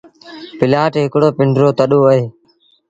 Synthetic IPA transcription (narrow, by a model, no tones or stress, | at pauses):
pɪlaːʈɦɪkɽoːpɪɳɖɾoːt̪əɗoːəɦeː